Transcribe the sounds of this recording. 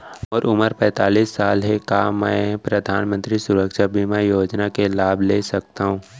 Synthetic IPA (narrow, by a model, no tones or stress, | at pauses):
ɔːɾʔʊməɾpɛ̃ːt̪aːliːsːaːlɦekamɛ̃ːpɾɐd̪ʱaːnmə̃nt̪ɾisʊɾəkʃabimajoːd͡ʒnakelaːbʱlesɐk̚t̪aɦũː